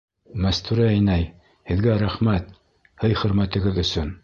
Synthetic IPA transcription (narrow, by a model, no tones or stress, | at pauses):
mæst̪uɾɘæjnæj | hɘ̆ðɡæɾæχmæt̪ | hɤjχɵ̆ɾmæt̪ɘ̆ɡɘðɵ̆sɵn